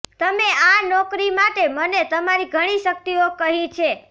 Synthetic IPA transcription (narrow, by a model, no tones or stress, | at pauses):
t̪əmeanɔkɾimaʈemənet̪əmaɾiɡʱəɽ̃iʃək̚t̪iokəɦĩt͡ʃʰe